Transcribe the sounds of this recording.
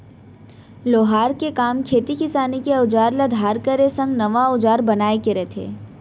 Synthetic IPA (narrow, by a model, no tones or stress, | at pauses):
loːɦaːɾkekaːmkʰeːt̪ikɪsaːnikeʊd͡ʒaːɾlad̪ʱaːɾkəɾesɐ̃ŋɡnɐʋaʊd͡ʒaːɾbɐnaːekeɾɛt̪ʰḛː